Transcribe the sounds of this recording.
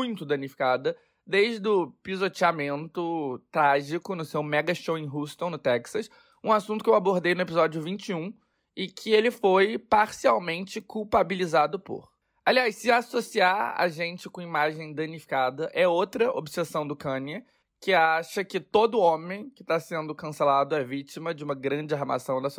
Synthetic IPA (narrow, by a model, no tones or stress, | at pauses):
mũj̃t̪ʊd̪ɐ̃nifi̥kad̪ɐ | d̪ejʒd̪ʊpizot͡ʃiamẽnt̪ʊt̪ɾaʒikʊnʊsewmɛɡɐʃowẽɦuʃt̪õw̃nʊt̪ɛksɐs | ũasũt̪ʊ̥kɪewaboɾd̪ejnʊepizɔd͡ʒʊvĩnt͡ʃɪũ | ɪkʰɪelɪfojpaɾsiawmẽnt͡ʃɪkuwpabilizad̪ʊpʊ̰ɾ | aliajssɪasosiaɾa̰ʒẽnt͡ʃɪkõimaʒẽj̃d̪ɐ̃nifi̥kad̪ɐʔɛot̪ɾɐʔo̰bsesɐ̃w̃d̪ʊkɐ̃niɐ | kɪaʃɐkɪt̪od̪ʊõmẽj̃kɪ̥t̪asẽnd̪ʊkɐ̃selad̪ʊɛvit͡ʃimɐd͡ʒɪũmɐɡɾɐ̃d͡ʒɪaɦma̰sɐ̃w̃d̪ɐs